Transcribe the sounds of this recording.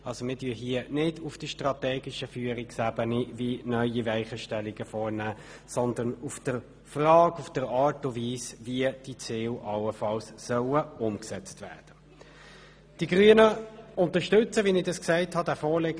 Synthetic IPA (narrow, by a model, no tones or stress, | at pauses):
ɑlsomɪːdyːɦiənɪdʊfd̥əʃtʁɑt̪ɛːɡɪʃəfyːəɾiksæbənivinœʏivæɪχəʃtɛliɡ̥əfɔːɾnæː | sɔnd̪ənʊfd̥əɾ | frɑːkʊfd̥əɾɑːtʊviːsviəd̥it͡sɪːlʔɑləfɑlssœwəʊmksɛt͡stvæːd̥ə | d̥iɡʁyənəʊnt̪əʃtɵt͡səvinɪdɑsksɛɪthɑdæːfɔːleɡ